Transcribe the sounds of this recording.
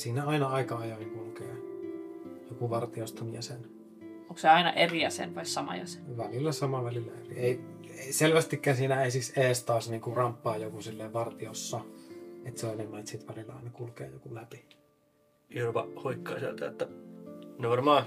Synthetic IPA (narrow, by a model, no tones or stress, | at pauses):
siːnæɑinɑɑˑikɑjohiŋkulkeː | jokuʋɑrt̪iost̪ɑmiæsen | oŋkseɑinɑʔeriɑsḛnʋɑissɑmɑ̰jɑ̰se̥nʋælilːæsɑmɑʋælilːæerieˑi | eselʋæst̪ikːæːsiːnæeˑsikseːst̪ɑːsniːŋkurɑmpːɑːjokusilːeˑːʋɑrt̪iosːɑet̪seoenemːɑit̪sit̪ʋælilːɑ̰ɑ̰ˑinɑkulkḛːjokulæpi | irupɑ̰hoikːɑ̰ːsḛlt̪æ̰et̪ːæ | neʋɑrmɑː